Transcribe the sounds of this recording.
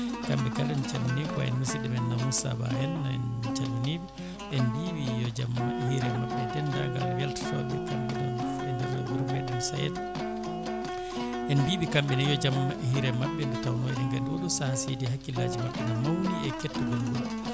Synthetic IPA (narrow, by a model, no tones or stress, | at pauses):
kamɓɛkalɛnt͡ʃamaniba̰ɛ̰nmisiɗɛmɛnːamusa̰ba̰hɛnːaɛnt͡ʃamanibɔ | ʔɛnbibijɔd͡ʒamahiɾɛmaɓːɛdɛnda̰ɡa̰lwɛltḁtɔ̰bɛkamɓɛnɛnɛndɛɾɔɡuɾumɛɗɛnsajɛ̰t | ʔɛnbiːɓikamɓɛnɛjɔd͡ʒamhiɾɛmaɓːɛndɛtawnɔjɗɛŋɡandɔɗusahasedihakːilad͡ʒimaɓːɛnamawniɛkɛtːuɡumɡul